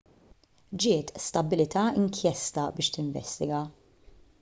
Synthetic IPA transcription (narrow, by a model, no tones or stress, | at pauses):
d͡ʒɪːt̪st̪ɐbːɪlɪt̪ɐːɪŋkʰjɛst̪ɐbɪːʃt̪ɪɱvɛ̰st̪ɪɡɐ